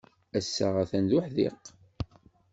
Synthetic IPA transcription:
æsːə̰ʁæθænðʊħðḭq

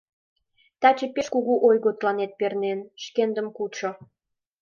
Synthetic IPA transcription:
t̪ɑt͡ɕəpeʃkuɣuʔojɣot̪lɑnet̪̚pernenʃkend̪əmkut͡ɕo

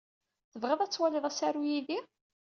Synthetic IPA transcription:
θəvʁeðˤæt͡sːwælɪðˤæsaɾujiði

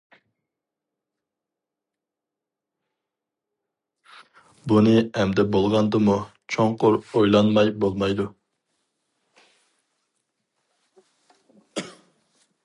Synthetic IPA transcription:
bunɨɛmd̪ɛbolˠʁɑnd̪ɨmu | t͡ʃʰoŋqʊɾojlˠɑnmɑjbolˠmɑjd̪u

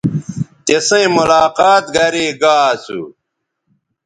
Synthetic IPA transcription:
t̪esẽĩmulaːqaːt̪̚ɡɐɾeːɡaːsṵ

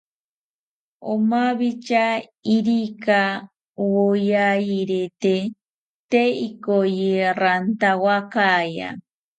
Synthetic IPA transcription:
omaβit͡ʃa | iɾika | wojajiɾet̪e | t̪eikojirant̪awakaja̰

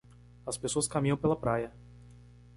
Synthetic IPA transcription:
ɐspesoɐskamĩɲɐ̃w̃pelɐpɾajɐ

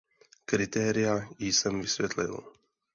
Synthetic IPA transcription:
kɾit̪ɛɾijajisəmvisvʲɛt̪ʰlḭlˠ

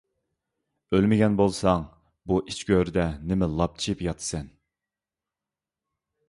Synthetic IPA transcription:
ølmɪɡʲɛnbolˠsɑŋ | buʔit͡ʃkʲøɾd̪ɛnɪmɪlˠɑp̚t͡ʃʰipjɑt̪ʰɨ̥sɛn

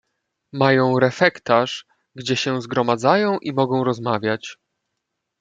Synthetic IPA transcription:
majɔ̃w̃ɾɛfɛkt̪aʂ | ɡd͡ʑɛɕɛ̃zɡɾɔmad̪zajɔ̃w̃ʔimɔɡɔ̃w̃ɾɔzmavʲjat͡ɕ

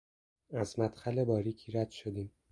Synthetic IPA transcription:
æzmæd̪xælebɒːɾiːcʰiɾæd̪̥ʃod̪iːm

